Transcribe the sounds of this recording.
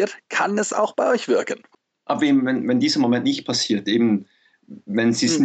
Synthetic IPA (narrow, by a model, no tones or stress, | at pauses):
tkʰanɛsa̰ʊxb̥aɪɔʏçv̥ɪɐkən | ʔabveːmvɛnvɛndiːzɐmomɛntnɪçt̚pʰasiːɐtʔeːbm̩ | vɛnziːsn